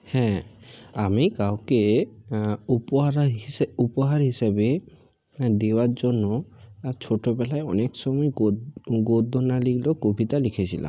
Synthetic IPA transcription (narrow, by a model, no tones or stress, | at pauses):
hɛ̃amikawke | upɔɦaɾiupɔɦaɾɦisabe | d̪ewaɾd͡ʒɔnːɔt͡ʃʰoʈobɛlaeɔneksɔmɔe | ɡod̪ʱonaliklokobʱit̪alikʰet͡ʃʰila̰m